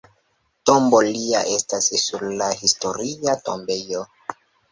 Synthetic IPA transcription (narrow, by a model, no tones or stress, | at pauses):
to̞mbolia̰ʔe̞stassuɾlahisto̞ɾiato̰mbe̞jo